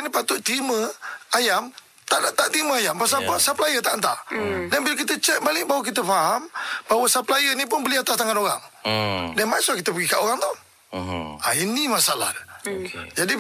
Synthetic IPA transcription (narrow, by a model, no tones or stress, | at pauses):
nipat̪ʊʔt̪iməajam | t̪aʔnat̪aʔt̪iməajampas̬apəsapəlajət̪aʔnt̪a̰ʔdanbilak̬it̪ət͡ʃɛk̚balɪʔbawək̬it̪əfaɦamb̥aɦwəsapəlajənip̬ʊnbəliat̪ast̪aŋanoɣa̰ŋdanmasɔkit̪əpəɡikaʔoɣaŋt̪ɔh | ainimasala̰hd | d͡ʒadi